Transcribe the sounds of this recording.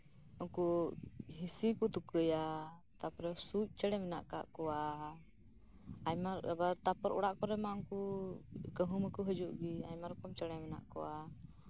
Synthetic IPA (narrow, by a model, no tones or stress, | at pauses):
ɔŋkuɦisikut̪ukəja | t̪apɾɛsuc̚ˀt͡ʃəɽɛmɛna̰ʔka̰ʔkɔwa | jmaɾbat̪apɔɾʔɔ̰ɽaʔkɔɾɛmauŋku | kəɦuməkuɦəd͡ʒuʔɡiajmaɾɔkɔmt͡ʃəɽɛmɛna̰ʔkɔwa